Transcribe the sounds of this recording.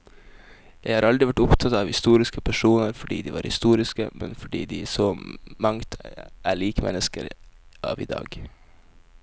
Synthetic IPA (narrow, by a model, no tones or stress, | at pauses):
jæɪhɑːɾɑld̪ɾɪʋæʈʊpt̪ʰɑt̪ɑːʋhɪst̪uːɾɪskəpʰæʂuːnəɾfɔɖḭːd̪iːʋɑ̰ːɾhɪst̪uːɾɪskə̰mɛ̰nfɔɖḭːd̪iæsɔmɑŋt̪ʰʔæɭiːkəmʔɛ̰nːəskə̰ɾʔɑ̰ːʋɪ̰d̪ɑ̰ːɡ